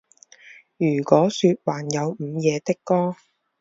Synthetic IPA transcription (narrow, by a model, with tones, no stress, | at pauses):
jyː˨˩kɔː˨˥syː˧t̚waː˨˩njɐ˨˧wm̩ː˨˧jɛː˨˧t̪ɪ˥kːɔː˥